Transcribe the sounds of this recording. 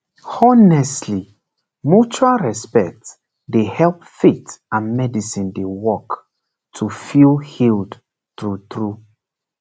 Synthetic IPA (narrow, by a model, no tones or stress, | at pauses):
ɔnɛstli | mut͡ʃualɹɛspɛk̚t | dehɛlpfetãnmɛdisĩndewɔk | tʰufilhild | tɹutɹu